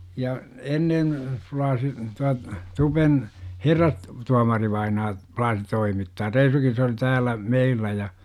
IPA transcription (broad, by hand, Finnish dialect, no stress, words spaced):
jɑ enːen flɑːsi tuɑ tupen herːɑs tuɑmɑriʋɑinɑː plɑːsi toimitːɑː reisukin se oli tæːlˑæ meilːæ jɑ